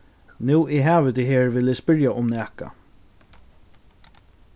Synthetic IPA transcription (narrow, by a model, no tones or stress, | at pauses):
nuːʔɪːɦæːvɪt̪ʰiːɦeːɹvɪːlɪspɪɹjaʔʊmnæːka̰